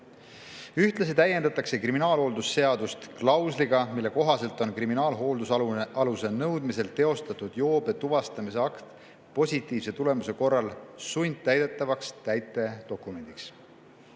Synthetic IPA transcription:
yht̪lɑsit̪æjːe̞nd̪ɑt̪ːˑɑkse̞kriminɑːlho̞ld̪usːe̞ɑd̪̥ust̪klɑwsliɡɑmilːe̞ko̞ɦɑse̞lt̪ˑo̞nkriminɑːlɦoːld̪usɑɑluse̞nɤwd̪̥mise̞lt̪e̞o̞st̪ɑt̪ːˑud̪̥jo̞ːbet̪uvɑst̪ɑmise̞ɑkt̪ | po̞sʲit̪ːˑiːv̥se̞t̪ule̞muse̞ko̞rːɑlsujnʲd̪̥̚t̪ːæjd̪e̞t̪ːˑɑvɑkst̪æjt̪ːˑe̞d̪̥o̞kːˑume̞nd̪iks

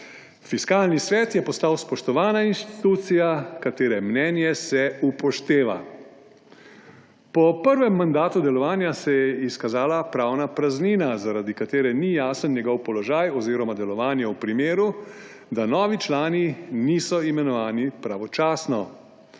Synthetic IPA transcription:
fiskaːlnisʋɛːt̪jɛpɔst̪aːwspɔʃt̪ɔʋaːnainʃt̪it̪uːt̪sijakat̪eːɾɛmnɛːnjɛsɛupɔʃt̪eːʋa̰ | pɔpəɾʋɛmːand̪aːt̪ud̪ɛlɔʋaːnjasɛjɛiskazaːlapɾaːwnapɾazniːnazaɾad̪ikat̪eːɾɛnijaːsənnjɛɡɔwpɔlɔʒajɔziːɾɔmad̪ɛlɔʋaːnjɛwpɾimeːɾu | d̪anɔːʋit͡ʃlaːniniːsɔimɛnɔʋaːnipɾaʋɔt͡ʃaːsnɔ

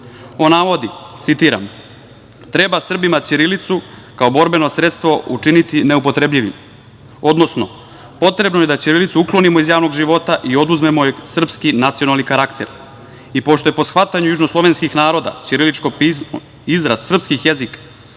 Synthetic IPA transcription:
o̞naʋo̞d̪it̪sit̪iɾa̰m | t̪ɾe̞basr̩bimat͡ʃiɾilit̪su | kao̞bo̞ɾbe̞no̞sɾe̞t̪st̪ʋo̞ut͡ʂinit̪ine̞upo̞t̪ɾe̞bʎiʋḭm | o̞d̪no̞sno̞̰ | po̞t̪ɾe̞bno̞je̞d̪at͡ɕiɾilit̪suuklo̞nimo̞izjaːʋno̞ɡʒiʋo̞t̪aʔio̞d̪uzme̞moesr̩pskinat̪sionalˠnikaɾakt̪ʰḛɾ | ipo̞ʃt̪o̞jepo̞sxʋat̪aɲujuʒnoslˠo̞ʋenskixnaːɾo̞d̪a̰t͡ʃiɾilit͡ʃko̞pizmo̰ | izɾassr̩pskixjezikḁ

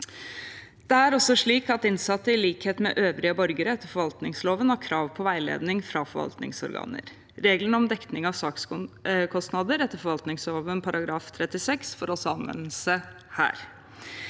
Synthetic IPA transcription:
d̪̥ɛæɾɔsɔʂɭiːkɑt̪ɪnsɑt̪ːəɪliːkheːt̪mɛ̰ʔøːʋɾɪəbɔɾɡəɾəɛt̪ːəɾfɔɾʋɑlt̪nɪŋsloːʋənhɑɾkʰɾɑːʋpʰɔʋæɪlḛːd̪nɪŋfɾɑfɔɾʋɑ̰lt̪nɪ̰ŋsɔ̰ɾɡɑ̰ːnə̰ɾ | ɾeːɡlənəɔmd̪ɛkt̪nɪŋɑʋsɑːkskʰɔst̪nɑd̪əɾɛt̪ːəɾfɔɾʋɑlt̪nɪŋsloːʋənpʰɑɾɑɡɾɑːft̪ʰɾɛt̪ːɪsɛksfɔɾɔsɔɑnʋɛ̰nl̩sə | hæ̰ːɾ

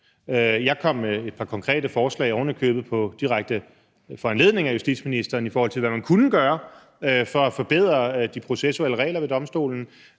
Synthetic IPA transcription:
jɑ̈ɪkʰɒ̽m̰meed̥pʰɑ̈kʰɒ̽ŋkʰʁɛ̰ːd̥əfɒːslɛ̰ɪɒoʊnɐkʰø̰ːb̥̩ˠpʰɒ̽d̥iʁaɡ̥̚d̥ə | fɒænle̝ðˠne̝ŋæjusd̥ḭd̥sminisd̥ɐːnifɒːhɒ̽l̰t͡sʰe̝lʋæmænkʰunəɡ̥ɶːɐ | fɒ̽æfɒ̽b̥e̝ð̞̰ˠʁɐd̥ipʰʁo̝sesueləʁɛ̰ːlɐʋe̝d̥ɒ̽msd̥o̝̰ːln̩

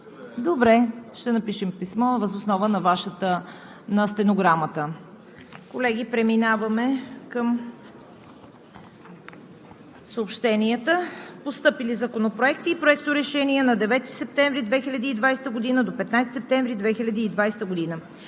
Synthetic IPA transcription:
d̪obɾɛʃt̪ɛnɐpiʃɛmpismɔvəzosnɔvənɐvaʃət̪ə | nɐst̪ɛnoɡɾamət̪ə | kolɛɡ̟ipɾɛminavəmɛkəm | səopʃt̪ɛniət̪əpost̪ɤpilizɐkonopɾoɛk̚t̪iːpɾoɛkt̪oɾɛʃɛniɛnɐd̪ɛvɛt̪i̥sɛp̚t̪ɛ̃ɱvɾid̪vɛxilʲɐd̪iːd̪vajst̪əɡod̪inəd̪opɛt̪najst̪sɛp̚t̪ɛ̃ɱvɾid̪vɛxilʲɐd̪iːd̪vajst̪əɡʊd̪inə

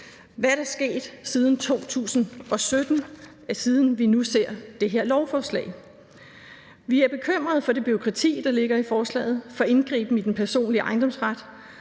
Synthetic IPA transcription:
ʋæɾ̥ɑsɡ̥e̝̰ːd̥sið̞ˠn̩t͡sʰo̝̰ːt͡sʰṵːsn̩ʔɒ̽sød̥n̩ | æɐsiːð̞ˠn̩ʋinuse̝ɐ̰d̥e̝ɦe̝ɐ̰lɒʊfɒːslɛ̰ɪ | ʋiæɐb̥e̝kʰøm̰ʁɐð̞ˠfɒ̽ɾe̝b̥yo̝kʰʁɑ̈t͡sʰḭːd̥ɑ̈le̝ɡ̥ɐifɒːslɛ̰ːð̞̩ˠfɒ̽e̝nɡ̥ʁḭːb̥n̩id̥enpʰæɐso̝̰ːnliʔɑ̈ɪndɒ̽msʁad̥

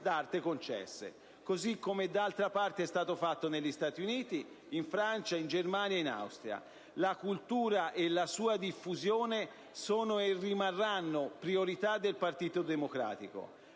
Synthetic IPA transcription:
d̪art̪ekont͡ʃɛ̰sːḛ | kozikːomed̪ːalt̪ɾapart̪eɛst̪aːt̪ofat̪ːoneʎːist̪aːt̪iuniːt̪i | iɱfɾant͡ʃaind͡ʒermaːnjaina̰wst̪ɾja̰ | lakult̪uːɾaʔelasuːad̪ifːuzjoːne | sɔːnoerːimarːanːopɾioɾit̪ad̪ːelpart̪iːt̪od̪emokɾa̰ːt̪iko̰

